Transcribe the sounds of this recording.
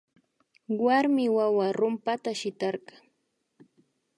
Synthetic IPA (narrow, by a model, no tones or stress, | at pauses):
waɾmɪwawaɾʊmpat̪aʃɪt̪ɑɾɢɑŋ